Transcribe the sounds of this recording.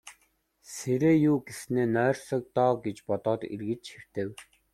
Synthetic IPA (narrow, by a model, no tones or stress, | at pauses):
seɾeːjuːɡesneːnœːrsɔ̆k̚t̪ɔːɡet͡ɕpɔt̪ɔːt̪ḛrɣɘ̆t͡ɕxer̥t̪ɘ̆w